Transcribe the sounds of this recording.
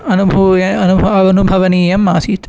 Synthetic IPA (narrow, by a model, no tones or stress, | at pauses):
ɐnubʱɐjɐɐnubʱɐɐʋɐnubʱɐʋɐniːjɐmːaːsiːt̪